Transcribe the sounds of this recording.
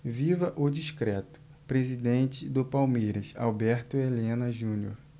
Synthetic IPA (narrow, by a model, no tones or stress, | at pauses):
vivɐʔʊd͡ʒiʃkɾɛt̪ʊ̥ | pɾezid̪ẽnt͡ʃɪd̪ʊpawmejɾɐsa̰wbɛɾt̪ʊelẽnɐʒũnio̰ɾ